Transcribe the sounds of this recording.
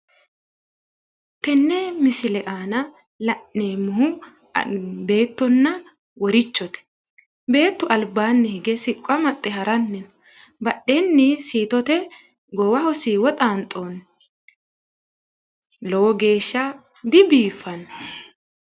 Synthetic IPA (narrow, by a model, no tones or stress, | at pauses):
t̪ɛnːemɪsɪlɛʔaːnɐ | lɐʔːeːmːʊhʊ | be̞ːt̪ːɔnːɐ | wɔɾɪt͡ʃːɔt̪ɛ̥ | be̞ːt̪ːʊʔɐlbaːnːɪhɪɡɛsɪkʼːɐmɐt̪ʼːɛɦɐɾɐnːɛn | bɐɗːenːɪsiːt̪ɔt̪ɛ | ɡɔwɐhɔsiːwɔt̪ʼaːnt̪ʼoːn | lowɔɡe̞ːʃːɐ | d̪ɪbiːfːɐnɔ